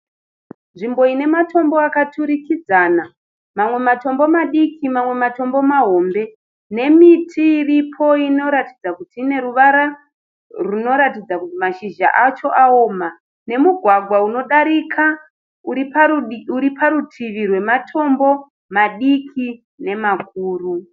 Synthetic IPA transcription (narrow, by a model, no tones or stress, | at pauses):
nʐimbo̞ine̞mato̞mbo̞akatʰuɾikid͡zaːna | mamwe̞mato̞mbo̞maɗikʰimamwe̞mato̞mbo̞maɦo̞ːmbe̞ | ne̞mitʰiːripʰo̞ino̞ɾatid͡zakutiːne̞ɾuʋaɾa | runo̞ɾatid͡zakutimaʃiʒa̰ʔat͡ʃo̞ʔaoːma | ne̞muɡʱwaɡʱwauno̞ɗaɾikʰa | uɾipuɾipʰaɾutʰiʋirwe̞matʰo̞mbo̞ | maɗikʰi | ne̞makuːru